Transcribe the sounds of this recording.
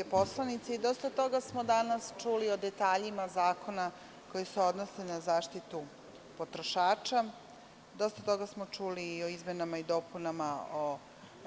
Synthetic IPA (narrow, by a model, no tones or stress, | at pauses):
epo̞slˠanit̪seid̪o̞st̪at̪o̞ɡasmod̪anast͡ʃuːlio̞d̪e̞t̪aːʎimazaːkʰo̞na | ko̞jeseo̞d̪no̞se̞nazaːʃt̪it̪u | po̞t̪ɾo̞ʃaːt͡ʃa | d̪o̞st̪at̪o̞ɡasmo̞t͡ʂuːliːo̞izmenamaid̪o̞ːpunamao